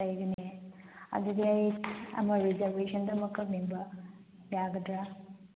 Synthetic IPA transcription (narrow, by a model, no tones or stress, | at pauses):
ɐjɡɐneɐ̰d̪uɡiɐjɐ̰mɐɾizɐɾbʱesɐndɐmɐkːɐmiŋbɐjaɡɐdɾa